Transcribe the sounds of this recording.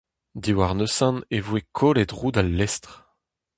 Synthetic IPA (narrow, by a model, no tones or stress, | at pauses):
d̪iwaʁnøsɑ̃nevwekʰolet̪ʁuːd̪alːɛst̪χ